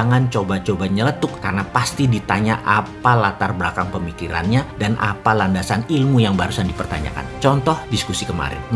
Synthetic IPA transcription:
aŋant͡ʃobat͡ʃobaɲələt̪ʊkːarənapast̪idit̪aɲaʔapalat̪arbəlakaŋpəmikiɾa̰nɲadanʔa̰palandasanilmujaŋbaɾusandipərt̪a̰ɲa̰ka̰nt͡ʃɔnt̪ɔhdiskusikəma̰ɾɪ̰ː

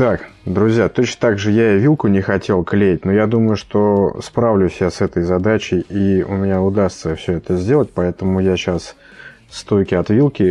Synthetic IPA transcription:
t̪akd̪ɾʊzʲjat̪ot͡ɕnət̪aɡʐɨjaɪvʲilˠkʊnʲɪxɐtʲʰe̞lˠklʲejt̚ʲnojad̪uməjʊʂt̪ospɾavlʲʊsʲjasɛt̪əjzɐd̪at͡ɕɪjiʊ̰mʲɪnʲaʊd̪ast̪səfsʲɵɛt̪əzʲdʲe̞lˠət̚ʲpɐɛt̪əmʊjaɕas | st̪o̞jkʲɪɐt̪vʲilˠkʲɪ

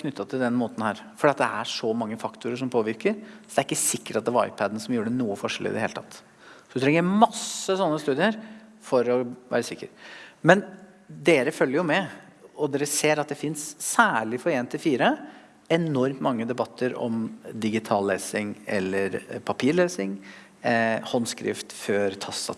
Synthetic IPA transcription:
kʰnʏt̪ːɑt̪ʰɪld̪ɛnmoːt̪n̩hæːɾfɔɖiːɑt̪̚d̪ɛæʂɔmɑŋːəfɑkt̪ʊɾəʂɔmpʰoːʋɪɾkəɾsɔd̪ɛæɾɪkːəsɪkːə̥ʈɑt̪d̪ɛʋɑɾɑ̰ɪpʰæd̪n̩sɔmjuːəɖɛnuːəfɔʂəlɪ̰d̪ɛheːlət̪ʰɑ̰t̪ː | sɔd̪ʉt̪ʰɾɛŋːəɾmɑsəsɔnːəst̪ʉːd̪ɪəɾ | fɔɾɔʋæ̰ːɾəsɪkːəɾmɛn | d̪eːɾəfœljəɾjʊmɛɔd̪eːɾəseːɾɑt̪̚d̪ɛfɪnsːæːɭɪfɔɾeːnt̪ʰɪlfiːɾə | ɛnɔɾmt̪mɑŋːəd̪ɛbɑt̪ʰːəɾɔ̰md̪ɪɡɪt̪ʰɑːlleːsɪŋɛ̰lːəɾpʰɑpʰiːɭeːsɪŋ | hɔnskɾɪ̰ft̪fœɾt̪ʰɑsɑ̰

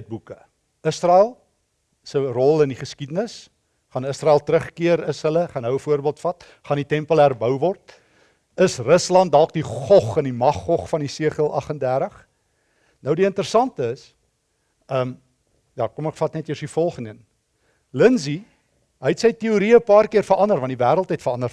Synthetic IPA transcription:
t̚bukə | əsrɑælˠ | sərɔlˠəndiχəskidənəs | χɑnəsrɑælˠtəɾəχkiəɾəsɦələχɑnɦəwəfuərbiəlˠtfɐt | χɑnitɛmpəlˠærbœwvɔrt̚ | əsrəslɐnt̚dɑlˠk̚diχɔχənimɐχːɔχfɐnisiəχəlˠʔɐχəndærɾəχ | nəwdiəntəɾəsɐntəəs | əm | jɑːkomɛkfɐtnɛtjəsifɔlˠχəndən | lənzi | ɦəjtsəjtiuɾiəpɑːrkiərfəɾɐndərvɐndivæːɾəlˠtɦəjtfərɐndər

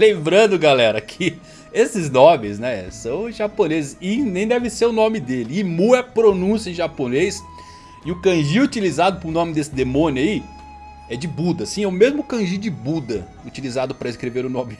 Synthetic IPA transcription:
lẽmbɾɐ̃d̪ʊɡalɛɾɐkʰɪ | esɪznõmɪsnɛsɐ̃w̃ʒaponezɪsɪnẽj̃d̪ɛvɪseɾʊnõmɪd̪elɪːmuɛpɾonũsjɐʒaponejs | ɪʊkɐ̃ʒiut͡ʃilizad̪ʊpʊɾʊnõmɪd̪esɪd̪emõnʊai | ɛd͡ʒɪbud̪ɐsĩɛʊmezmʊkɐ̃ʒid͡ʒɪbud̪ɐ | ut͡ʃilizad̪ʊpɾɐɪskɾeveɾʊnõmɪ

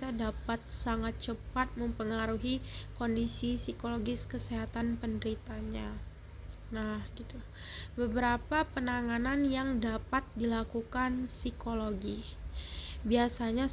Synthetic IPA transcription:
adapat̪̚saŋat̪̚t͡ʃəpat̪̚məmpəŋaɾuɦikondisisikoloɡɪskəseɦat̪anpəndəɾit̪aɲa | nahɡit̪u | bəbəɾapapənaŋananjaŋdapat̪̚dilakukansikoloɡi | biasaɲa

